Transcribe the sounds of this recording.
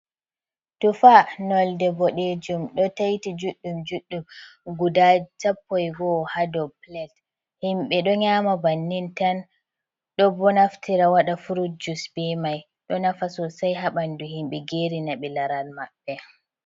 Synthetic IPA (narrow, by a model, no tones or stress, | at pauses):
tufanɔldɛbɔɗed͡ʒumɗɔtajtid͡ʒuɗːumd͡ʒuɗːumɡudat͡ʃapːɔjɡɔhadɔplɛt | himɓɛɗɔɲaːmabanːintan | ɗɔbɔnaftʰiɾawaɗafuɾud͡ʒusbɛmaj | ɗɔnafasɔsajɦaɓanduhimɓɛɡeːɾinaɓilaɾalmaɓːɛ